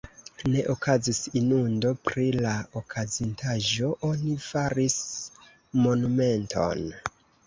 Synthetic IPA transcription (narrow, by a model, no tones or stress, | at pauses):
ne̞ʔokʰazisinundo̞pɾilaokʰazintʰaʒo̞ʔo̞nifaɾis | mo̞nume̞ntʰo̞̰n